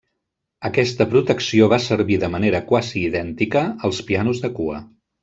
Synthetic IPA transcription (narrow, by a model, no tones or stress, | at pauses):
əkɛst̪əpɾut̪əksioβ̞asəɾβiðəməneɾəkwaziːðɛnt̪ikəːlˠspianuzðəkuə̰